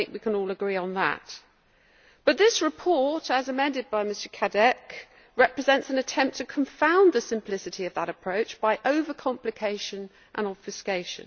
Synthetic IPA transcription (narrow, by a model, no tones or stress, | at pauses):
ɪ̃ŋkwikʰə̃nɔːlˠəɡɹiə̃nðə̰t | b̥ʌt̪̚ðɪsɹɨpʰɔɹtəzəmɛ̃ndɨd̚baɪmɪstəkʰadɛk | ɹɛpɹɨzɛ̃ntsə̃nɨtʰɛ̃mp̚tʰɨkʰə̃ɱfãʊ̃nðəsɨ̃mpʰl̥ɪsɨtiəvðəɾəpʰɹ̥əʊt͡ʃb̥aɪʔəʊvəkʰɑ̃mplɨkʰeɪʃə̃n | ʔə̃nɒb̥fɨskeɪʃɨ̰̃n